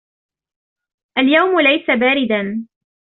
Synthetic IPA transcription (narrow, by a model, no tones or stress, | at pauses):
ʔaljawmʊlajsabaːɾɪd̪an